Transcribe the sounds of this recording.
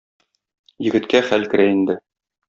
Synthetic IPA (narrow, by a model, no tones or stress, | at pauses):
jɘ̆ɡɘ̆t̪kæχælkɘ̆ɾæind̪ɘ